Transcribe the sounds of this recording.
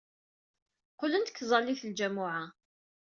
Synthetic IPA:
qʊlənt̪ə̥kːzˤɑlːiθld͡ʒæmːʊʕa

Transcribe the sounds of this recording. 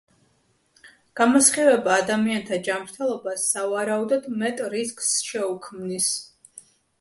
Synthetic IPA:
ɡ̥amɔsχɛvɛbaːd̪amiant̪ʰad͡ʒamɾt̪ʰɛlˠɔbasːavaɾaud̪ɔd̪mɛt̪ʼɾiskʼsʃɛukʰmnis

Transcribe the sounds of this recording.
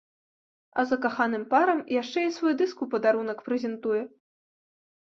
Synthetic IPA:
ɐ̰zɐkaxanɨmpaɾɐmjaʂt͡ʂɛisvɔjd̪ɨskupɐd̪aɾunɐkpɾɛzʲɛnt̪ujɛ

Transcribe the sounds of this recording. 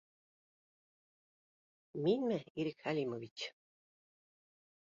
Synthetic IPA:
minʲmɘiɾikxalʲimovit͡ɕ

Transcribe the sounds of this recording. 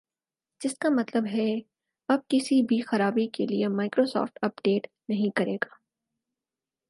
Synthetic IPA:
d͡ʒɪskamɐt̪ləbɦɛ | ɐb̚kɪsibʱixɐɾaːbikeliemaːɪkɾoːsɔ̰ːfʈɐp̚ɖeːʈ | nɐɦĩkɐɾeːɡaː

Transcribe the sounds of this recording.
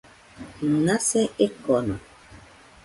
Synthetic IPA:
nasɛekɔnɔ

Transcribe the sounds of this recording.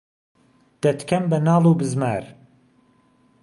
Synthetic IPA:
d̪̥ɐt̪kʰɐmbɐnɑːlˠuːbɨzma̰ːɾ

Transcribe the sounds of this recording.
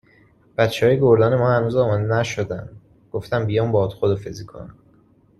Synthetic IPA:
b̥æt̪t͡ʃʰehɒːjeɡoɾd̪ɒːne̞mɒːhænuːzɒːmɒːd̪enæʃod̪ænd̪ | ɡ̥oft̪ænbijɒːmbɒːd̪̥xod̪ɒfezikʰo̰n

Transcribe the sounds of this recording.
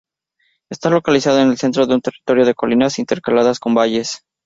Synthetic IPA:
e̞st̪alo̞kalisað̞oene̞lse̞nt̪ɾo̞ðe̞unt̪e̞rit̪o̞ɾjo̞ð̞e̞ko̞linasint̪e̞ɾkalaðasko̞mbaʝe̞s

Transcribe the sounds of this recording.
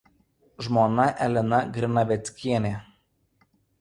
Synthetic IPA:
ʒmoːnɐʔɛlʲɪnɐɡɾʲɪnɐʋʲɛt̪sʲkʲiɛnʲeː

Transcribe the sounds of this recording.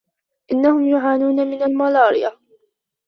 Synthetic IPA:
ʔɪnːahʊmjʊʕaːnuːnamɪnalmalɑːɾɪja

